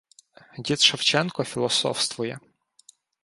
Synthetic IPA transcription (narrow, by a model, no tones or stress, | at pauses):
dʲit̪ʃɐwt͡ʃɛnkɔfʲilˠɔsɔ̰wst̪ʋʊjɛ